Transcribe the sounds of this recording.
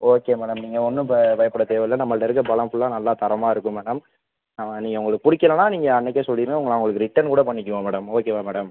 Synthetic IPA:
oːkeːmɛːɽɐmniːŋɡɐɔnːɯpʋɐjɐpːɐɽɐt̪eːʋɐlɐnɐmːɐɭːɐɪɾɯk̬ːɯbɐlɐmfɯɭːãːnɐlːãːt̪ɐɾɐmaːɪɾɯkːɯmɛːɽɐm | nɐmːɐniːŋɡɐʊŋɡɐɭɯkːɯpʊɽɪkːɐlɐnaːniːŋɡɐːnːɛk̬ːesɔlːɪɾɯŋɡɐʊŋɡɐɭaɐʋʊŋɡɐɭɯkːɯɾɪʈːɐnkuːɽɐpɐɳːɪk̬ʲːɯʋõːmɛːɽɐmoːkeːʋaːmɛːɽɐm

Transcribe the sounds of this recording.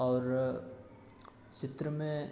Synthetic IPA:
ɔːɾ | t͡ʃɪt̪ɾəmẽ

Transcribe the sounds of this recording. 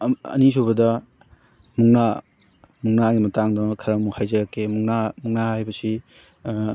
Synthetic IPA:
ɐ̰nis̬ubɐdɐ | muŋna | muŋnaɡimɐtaŋdɐkʰɐɾɐmɐmuŋhajzɐɾɐkʰːemuŋnamuŋnahhajbɐsi

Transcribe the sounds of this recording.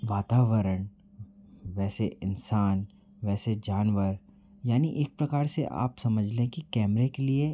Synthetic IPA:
ʋaːt̪aːʋəɾəɳ | ʋɛːseʔɪnsaːn | ʋɛːsed͡ʒaːnʋəɾ | jaːniʔeːk̚pɾɐkaːɾseʔa̰ːpsɐməd͡ʒʱlẽkikɛːmɾekelie

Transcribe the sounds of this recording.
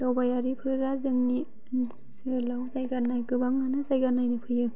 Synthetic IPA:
lawbajaɾipʰɯɾazɯŋni | n | sɯlawzajɡanajkɯbaŋːanɯzajɡanajnɯpʰɯjɯ

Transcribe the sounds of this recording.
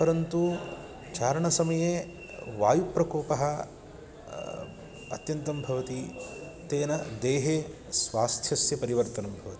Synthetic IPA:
pɐɾɐnt̪u | t͡ʃaːɾɐɳɐsɐmɐjeː | ʋaːjupɾɐkɔːpɐɦɐ | ɐ̰t̪jɐnt̪ɐmbʱɐʋɐt̪it̪eːnɐd̪eːɦeː | sʋaːst̪ʰjɐsjɐpɐɾiʋɐɾt̪ɐnɐmbʱɐʋɐt̪i̥

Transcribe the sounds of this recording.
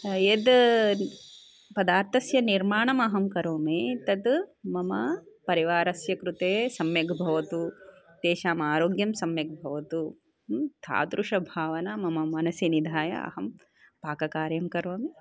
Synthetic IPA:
jed̪ | pɐd̪aːɾt̪ɐsjɐniɾmaːɳɐmɐɦɐmkɐɾoːmeːt̪ɐt̪mɐmɐpɐɾiʋaːɾɐsjɐkɾut̪eːsɐmjɐɡʱbʱɐʋɐt̪u | t̪eːʃaːmaːɾoːɡjɐmsɐmjɐk̚bʱɐʋɐt̪u | t̪ʰa̰ːt̪ɾuʂɐbʱaːʋɐnɐmɐmɐmɐnɐsinid̪ʱaːjɐ̰ɐ̰hɐm | paːkɐkaːɾjɐmkɐɾoːme

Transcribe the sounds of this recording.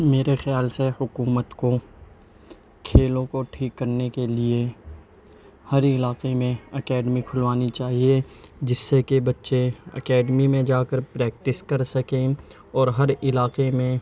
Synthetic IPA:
meːɾexjaːlsehʊkuːmət̪ko | kʰeːlõkoʈʰiːkːɐɾnekelie | hɐɾɪlaːqemẽɐkɛːɖmikʰʊlʋaːnit͡ʃaːɦied͡ʒɪsːekebɐtːʃeɐ̰kɛːɖmimẽd͡ʒaːkəɾpɾɛːk̚ʈɪskɐɾsɐkẽ | ɔːɾɦɐɾɪlaːqemẽ

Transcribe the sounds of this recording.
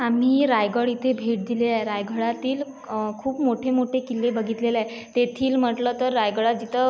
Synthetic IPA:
am̤iːɾajɡəɭit̪ʰebʱeʈ̚d̪ileajeɾajɡʱəɭat̪iːl | kʰuːpmoʈʰemoʈʰekilːebəɡʱit̪leleaj | t̪et̪ʰiːlm̤əʈlət̪əɾːajɡəɭat̪̚d͡ʑit̪ʰə

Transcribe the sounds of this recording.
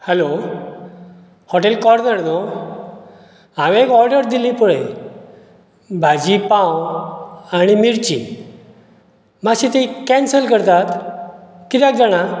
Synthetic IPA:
hɛlo | hɔʈelkɔɾnəɾno | ãʋekɔɾɖəɾd̪ilipuɭe | bʱad͡ʑipãw | añimiɾt͡ɕḭ | maɕit̪ikɛnsəlkəɾt̪at̪ | kit̪jak̚d͡zaɽ̃a

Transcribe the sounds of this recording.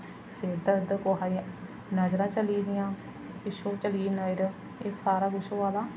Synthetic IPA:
seːd̪əd̪koɦaːi | nəd͡ʒɾãːt͡ʃəliːd̪ɪjãː | ɪʃoːt͡ʃəliːnaːɪɾ | eːsaːɾaːɡʊʃoaːlaː

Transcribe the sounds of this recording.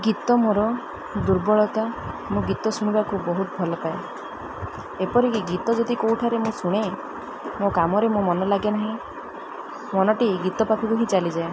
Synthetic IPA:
ɡit̪ɔmoɾɔ | d̪uɾbɔɭɔt̪amũɡit̪ɔsuɽ̃ibakubɔɦut̪̚bʱɔlɔpae | epɔɾikiɡit̪ɔd͡ʒod̪ikowʈʰaɾemũsuɽ̃e | mokamɔɾemũmɔnɔlaɡenaɦĩ | mɔnɔʈiɡit̪ɔpapʰikuɦĩt͡ʃalid͡ʒae

